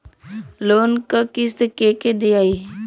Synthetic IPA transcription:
loːnkəkɪs̬d̪əkeked̪iai

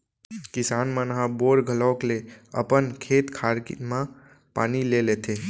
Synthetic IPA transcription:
kisanmənɦaboɽɡʱələʊkleə̰pənkʰet̪kʰaɾkmã | panilelet̪ʰe

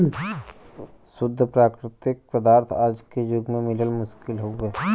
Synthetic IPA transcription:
sʊd̪ʱːpɾaːkɾɪt̪ɪk̚pəd̪aːɾt̪ʰaːd͡ʒked͡ʒʊɡmẽmɪləlmʊʃkɪlɦoeː

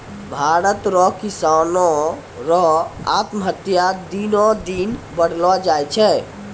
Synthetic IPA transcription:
bʱaɾət̪ɾɔkisanɔ | ɾɔat̪məɦət̪jad̪inɔ̃d̪inbəɽ̤lɔd͡ʒajt͡ʃʰɛ

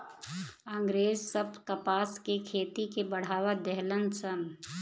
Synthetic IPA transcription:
ãːŋɡɾeːzsəb̚kəpaːskekʰeːt̪ikebəɽ̤aːwad̪ɛɦlənsən

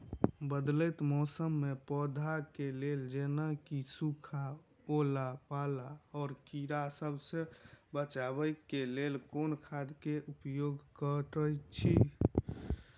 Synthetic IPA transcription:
bəd̪lət̪mɔːsəmːepɔd̪ʱakeleld͡ʒenakisukʰa | olapalaɔːɾkiɾasəbsẽbət͡ʃabəjkelelkoːnkʰad̪ʱkeʔupjoːɡkəʈəjt͡ʃʰi

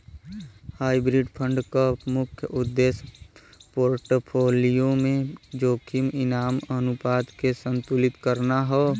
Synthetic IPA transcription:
haːibɾiɖpʰə̃ɳɖkəpmʊkʰjəʔʊd̪ːeːspoːɾʈpʰoːlijõmẽd͡ʒoːkʰimɪnaːmənʊpaːd̪kesə̃nt̪uːlɪt̪kəɾnaɦɛː

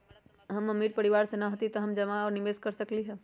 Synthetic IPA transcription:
ɦəmːəmːiɾ̚pəɾiʋaɾsenəɦot̪it̪ɔɦəmd͡ʒəmaɔːɾniʋeːskəɾsəkliɦɛ

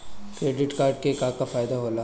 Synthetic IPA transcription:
kɾeːɖɪʈkaːɾɖ̚kekaːkafaːjd̪aɦoːlaː

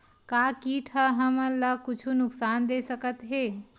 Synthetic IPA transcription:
kakiʈʰəɦəməɾləkut͡ʃʰunʊksand̪esəkət̪ɦe

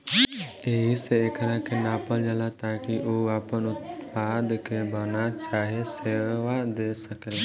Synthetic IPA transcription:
eɦiseeːkəɾãkenaːpəld͡ʒəlat̪aːkiʔoaːpənʊt̪̚paːd̪kebənat͡ʃaːɦeseːʋad̪eːsəkel

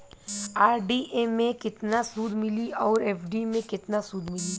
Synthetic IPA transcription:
aːɾɖiʔemẽkɪt̪nasuːd̪ʱmɪliʔɔːɾɛːfʰɖimẽkɪt̪nasuːd̪ʱmɪliː

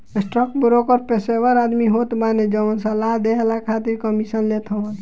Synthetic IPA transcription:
esʈɾəkbɾokəɾpeseʋəɾad̪miɦot̪baned͡ʒəmənsəlaɦd̪eɦlakʰat̪iɾkəmisənlet̪ʰəʋən

